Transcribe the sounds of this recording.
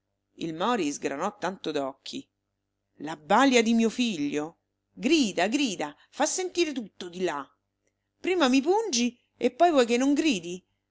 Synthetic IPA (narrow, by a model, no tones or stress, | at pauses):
ḭlmɔɾizɡɾa̰nɔt̪ːant̪od̪ɔkʰːḭ | labːaljad̪imiːofiʎːo | ɡɾiːd̪aɡɾiːd̪a | fasːent̪iːɾet̪ut̪ːod̪ila | pɾiːmamip̬und͡ʒi | epːɔjvwɔjkenːoŋɡɾiːd̪i